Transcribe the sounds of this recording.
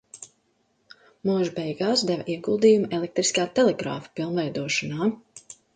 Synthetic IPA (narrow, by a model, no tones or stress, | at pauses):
muɔʒbɛjɡaːsd̪ɛvʔiɛɡulˠd̪iːjumɛlˠek̚t̪ɾiskaːt̪ɛlɛɡɾa̰ːfḁpilˠnvɛjd̪uɔʃɔnaː